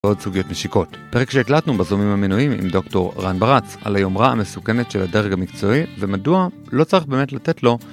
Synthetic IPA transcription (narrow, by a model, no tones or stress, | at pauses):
o̞dsuɡijo̞tneʃiko̞t | pe̞ʁekʃeːklatnubazomimhaminuimḭmdo̞kto̞ʁʁanbaʁat͡sa̰lajomʁaa̰me̞suke̞netʃe̞ladeʁɡamikt͡so̞ivemadua | lo̞t͡saʁiχbe̞ːmetlatetlo̞